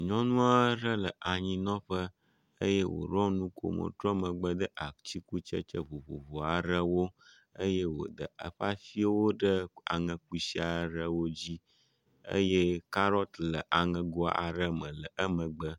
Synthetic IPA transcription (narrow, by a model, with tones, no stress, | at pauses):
ɲɔ̃˦nũ˦a˦ɾə˦lə˨ʔa˨ɲĩ˦nɔ̃˦ɸə˦ | ə̰˦je˦wo̰˨ɾɔ̃˦nũ˦ko̰˨mə̰̃˨t̪ɾɔ˦mə̃˨ɡ͡bə˦d̪ə˦ʔa˨t͡ɕi˦ku˦t͡ʃə̰˦t͡ʃə̰˦βo˨βo̰˨βo˨a˨ɾə˦wo˦ | ə˦je˦wo̰˨d̪ə̰˨a̰˨ɸa˦fi˦wo˦ɖə˦a̰˨ŋə̃˨k̚u˦si˦a˨ɾə˦wo˦d͡ʑi˦ | ə̰˦je˦ka˦ɾɔ˦t̪lə˨ʔa˨ŋə̃˨ɡo˦a̰˦ʔa˨ɾə˦mə̃˨lə˨ʔə˦mə̃˨ɡ͡bə˦